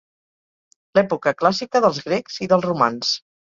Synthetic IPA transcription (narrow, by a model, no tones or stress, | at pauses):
lɛpukəklasikəðəlˠzɣɾɛkz̥iðəlˠzruma̰ns